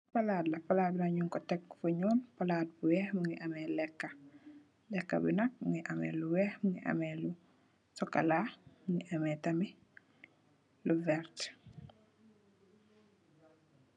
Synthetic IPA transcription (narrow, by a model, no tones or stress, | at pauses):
pɐladlɐpɐlaːd̚binɐɲuŋkɔtɛkːfuɲɔːnpɐlaːt̚buwɛhmuŋɡiʔɐmɛlɛkːɐ | lɛkːɐ̰binɐk̚mŋɡiʔɐmɛ̰ːluwɛːhmuŋiʔɐ̰mɛlu | sɔkːɐ̰laːmuŋiʔɐmɛːtɐmi | luvɛɾt